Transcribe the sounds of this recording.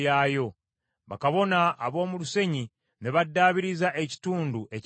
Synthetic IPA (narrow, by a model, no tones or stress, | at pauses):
aːjo̞ | βa̰kaβo̞naːβo̞ːmuluse̞ɲi | ne̞βadːaːβiɾizaʔe̞ci̥tuːnduʔe̞c